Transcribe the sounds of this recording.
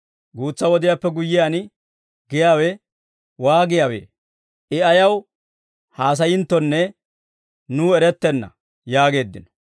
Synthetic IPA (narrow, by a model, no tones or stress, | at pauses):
ɡuːt͡sːɐwɔd̪ɪjaːpːɛɡʊjːɪjan | ɡɪjaːwɛ | waːɡɪjaːwḛː | ʔɪɐjɐw | haːs̬ɐjɪnt̪ːɔnːɛ | nuːɛɾɛt̪ːɛnːɐ̰ | jaːɡe̞ːd̪ːɪnɔ